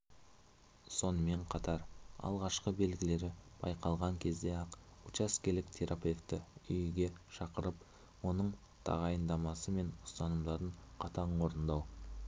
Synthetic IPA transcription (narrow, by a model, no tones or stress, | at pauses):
so̞nəme̞ɴqʰɑt̪ɑɾɑ̰lˠʁɑʃqəbe̞lɡʲɪle̞ɾɪb̥ɑ̰jqʰɑlˠʁɑŋkʲʰe̞zd̪e̞ɑqut͡ʃaskʲe̞lɪk̚t̪ʰe̞ɾape̞ft̪ɪʏjɡʲe̞ʃɑqəɾəp | wo̞nəɴ | t̪ʰɑ̰ʁɑjənd̪ɑmɑsəme̞nʊ̥st̪ɑnəmd̪ɑɾəɴqʰɑt̪ʰɑɴoɾənd̪ɑw